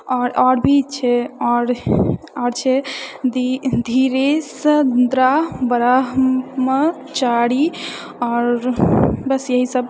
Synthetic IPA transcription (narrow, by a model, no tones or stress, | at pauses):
ɔːɾɔɾbʱit͡ʃʰɛɔɾ | ɔɾt͡ʃʰɛd̪d̪ʱiɾesd̪ɾabəɾaɦmə | t͡ʃaɽi | ɔːɾbəsjəɦisəb